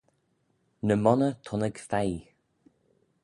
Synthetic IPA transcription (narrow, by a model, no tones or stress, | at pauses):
nəmɔnət̪ʰʊnəɡfaj